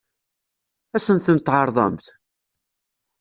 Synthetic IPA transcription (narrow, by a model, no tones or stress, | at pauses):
æsənt̪ənt̪ʕɑɾˤðˤɑ̰mθ